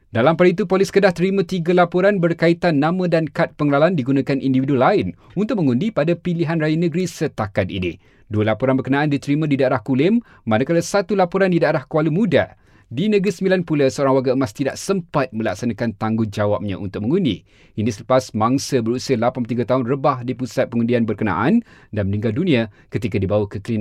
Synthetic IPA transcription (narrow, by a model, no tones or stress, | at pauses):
dalampaɾit̪upoliskədaht̪əɾimãt̪iɡalapoɾanbərkait̪anːãmə̃dankat̪̚pəŋəlalandiɡunãkanʔindividulaɪn | unt̪ʊk̚mə̃ŋundipadapiliɦanrajanə̃ɡɾisət̪akat̪̚ḭnɪ̰ | duəlapoɾanbərkənãʔandit̪əɾimãdidaeɾahkulɪmː | ãnakaləsat̪ulapoɾandidaeɾahkuwalumũda̰ | dinə̃ɡɾisəmbilanpulasəoɾaŋwaɡaəmast̪ida̰ʔsəmpat̪̚mə̃lak̚sanãkant̪aŋɡʊŋd͡ʒawap̚ɲã̰ʔunt̪ʊk̚mə̃ŋundi | inisələpasmãŋsəbəɾusialapanpət̪iɡat̪aɦʊnrəbahdipusat̪̚pəŋundianbərkənã̰ʔandanmənĩŋɡaldunĩa | kət̪ikadibawakəklin